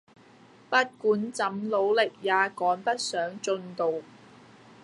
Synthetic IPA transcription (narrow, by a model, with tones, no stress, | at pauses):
pɐ˥t̚kuː˨˥nt͡sɐ˨˥mlo˨˧wlɪ˨k̚jaː˨˧kɔː˨˥npɐ˥t̚sœː˨˥ŋt͡sɵ˧nt̪o˨w